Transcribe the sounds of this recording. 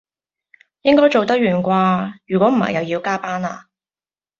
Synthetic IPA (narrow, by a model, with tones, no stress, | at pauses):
jɪ˥ŋkɔː˥jt͡ʃo˨wt̪ɐ˥k̚ɥyː˨˩nkʷaː˧jyː˨˩kʷwɔː˨˥m̩˨˩hɐ̰˨jɐ˨˧wjiː˨˧wkaː˥paː˥na̰ː˧